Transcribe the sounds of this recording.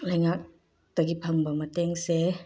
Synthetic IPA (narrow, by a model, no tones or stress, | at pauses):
lɐjŋak̚ | tɐɡipʰɐŋbɐmɐteŋse